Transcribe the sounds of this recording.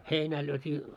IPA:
heinæː lyøtʲiː

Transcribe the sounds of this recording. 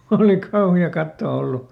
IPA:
oli kɑuhiɑ kɑtːoː olːu

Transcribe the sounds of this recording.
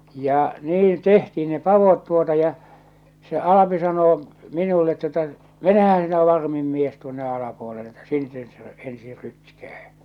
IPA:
jɑ niːn tehtiːn ne pɑʋot tuotɑ jɑ se ɑlɑpi sɑnoː minulːet tuə̆tɑ menehæn sinæ ʋɑrmim mies tuonːe ɑlɑpuolelːe etːæ sin ses se ensiːr rytkæː

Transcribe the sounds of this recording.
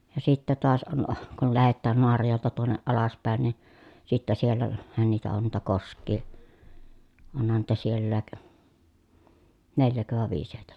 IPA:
jɑ sitːæ toɑs on kul læhetːæːn noɑrɑjoˑeltɑ tuonːeʔ ʔɑlɑspæˑen ni sitːæ siel læhæn niːtæ on niːtæ koskˑiː onhɑn niːtæ sielːæːk neljækø ʋɑˑe ʋiːs heˑi̯tæ̥

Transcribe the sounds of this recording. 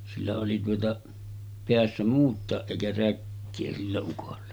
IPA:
silːæ oli tuotɑ peæsːæ muːtˑɑˑeʔ ʔeˑikæ rækːeː silːæ ukolːɑ

